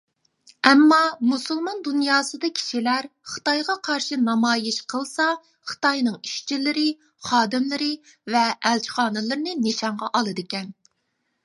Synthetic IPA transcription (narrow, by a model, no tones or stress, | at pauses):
ɛmːɑmusulˠmɑnd̪unjɑːsɨd̪ɑkʲʰi̥ʃilæɾχə̥t̪ɑjʁɑqʰɑɾʃɨnɑmɑːjiʃqʰəlˠsɑ | χə̥t̪ɑjnɨŋi̥ʃt͡ʃʰilɪɾɪ | χɑːd̪ɪmlɨɾɪ | vɛʔːlt͡ʃʰi̥χɑːnɨlˠɨɾɨnɨnɪʃɑɴʁɑʔɑlˠɨd̪ɪkʲɛn